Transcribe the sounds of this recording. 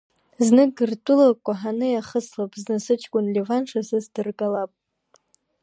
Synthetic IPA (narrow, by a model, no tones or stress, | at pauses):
znɨɡɨrtʼʊlakʷʼaħanɨjaχəslapʼznɨsɨt͡ʃʰʼkʷʼʊnlevanʂasɨsdɨrɡʼalapʼ